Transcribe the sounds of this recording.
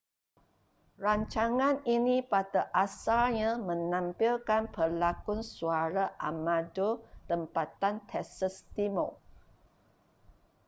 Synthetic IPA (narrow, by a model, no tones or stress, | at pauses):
raɲt͡ʃaŋãninipat̪əʔasalɲãmə̃nãmpilkanpəlakʊnsuaɾaʔamãdot̪əmpat̪ant̪ʰɛsəst̪imo